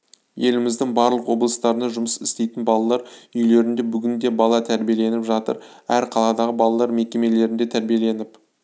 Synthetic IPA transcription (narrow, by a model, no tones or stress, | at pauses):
je̞lɪmɪzd̪ɪŋbɑɾlˠəqwo̞blˠəst̪ɑɾənɑʒʊməsɪst̪e̞jt̪ɪnbɑlˠɑlˠɑɾʏjle̞ɾɪnd̪e̞bʏɡʲɪnd̪e̞bɑlˠɑt̪ʰæɾbije̞le̞nɪpʒɑt̪ə̰ɾæɾqʰɑlˠɑd̪ɑʁəbɑlˠɑlˠɑɾme̞kʲe̞me̞le̞ɾɪnd̪e̞t̪ʰæɾbije̞le̞nɪp